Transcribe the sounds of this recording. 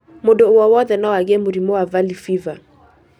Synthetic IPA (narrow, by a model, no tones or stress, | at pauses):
modoowɔwɔðɛnawaɣɛmoɾimowavalifiva